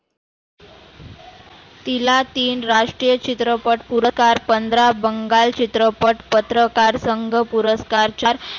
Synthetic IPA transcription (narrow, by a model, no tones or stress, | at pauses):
t̪ilat̪iːnɾaʂʈɾijət͡ɕit̪ɾəpəʈpuɾəkaɾpənd̪ɾabəŋɡalt͡ɕit̪ɾəpəʈpət̪ɾəkaɾsəŋɡʱəpuɾəskaɾt͡ɕaɾ